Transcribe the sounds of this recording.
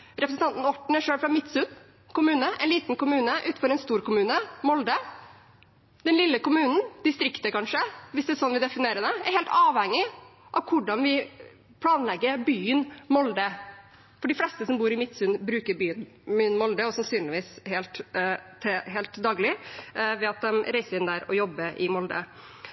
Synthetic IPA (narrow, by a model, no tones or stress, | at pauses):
ɾɛpʰɾəsən̩t̪ɑnt̪n̩ɔʈɳ̩æɾʂøːlfɾɑmɪt̪sʉn | kʰʊmʉːnəʔɛ̰ɪnliːt̪nkʊmʉːnəʔʉːt̪̩fɔɾɛnst̪uːɾkʊmʉːnəmɔld̪ə | d̪ɛnlɪlːəkʊmʉːnn̩d̪ɪst̪ɾɪkt̪əkɑnʂəʋɪsd̪ɛsɔnʋɪd̪ɛfɪneːɾəd̪əæɾheːlt̪ɑːʋhɛŋːɪʔɑʋkʰʊɖɑnʋɪ | pʰlɑːnlɛɡːəɾbyːənmɔld̪ə | fɔɖɪflɛst̪əsɔmbuːɾɪmɪt̪ːsʉnːbɾʉːkəɾbyːən | myːnmɔld̪əɔsɑnsyːnlɪʋiːshɛlt̪ | ɦɛːlt̪d̪ɑːɡlɪʋɛɑt̪̚d̪ɛmɾæɪsəɾɪnd̪æɾɔ̰jɔbːəʔɪmɔld̪ə̰